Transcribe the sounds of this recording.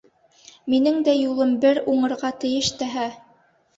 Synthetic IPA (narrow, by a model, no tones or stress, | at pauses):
minɘŋd̪æjulˠɤmbɘɾuɴɤ̆ɾʁɑt̪ɘ̆jɘʃt̪æɦæ